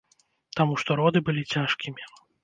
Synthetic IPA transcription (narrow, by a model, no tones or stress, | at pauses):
t̪amuʂt̪ɔɾɔd̪ɨbɨlʲit͡sʲaʂkʲimʲi